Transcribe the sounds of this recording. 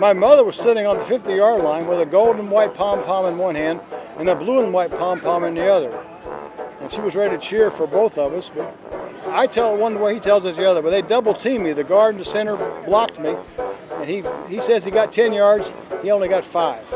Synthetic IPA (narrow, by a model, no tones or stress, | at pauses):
maɪmʌðə˞wʌz̥sɪɾɪ̃ŋə̃nðəfɪftɨjɑɹlãɪ̃nwəðɨɡoʊlˠdⁿn̩waɪt̚pʰɑ̃mpʰɑ̃mə̃nwʌ̃nhæ̃ndɨ̃nəbluə̃nwaɪt̚pʰɑ̃mpʰɑ̃mɨ̃nðiʌðə˞ | ɨ̃nʃiwʌzɹɛɾɾɨt͡ʃʰɪɹfə˞boʊθʌvʌsb̥ʌɾaɪtʰɛl̚ˠwʌ̃ntəwəitʰɛlˠzʌtðiʌðə˞wɨðɨdʌbl̩ˠtʰĩmiðɨɡɑɹdⁿn̩ðɨsɛ̃ɾ̃ə˞blɑk̚t̚miɨ̃niisɛziɡɑtʰɛ̃njɑɹdz̥ | hiõʊ̃nliɡɑtfaɪv̥